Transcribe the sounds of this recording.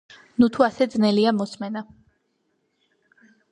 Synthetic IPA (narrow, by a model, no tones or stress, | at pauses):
nut̪ʰuasɛd̪znɛliamɔsmɛna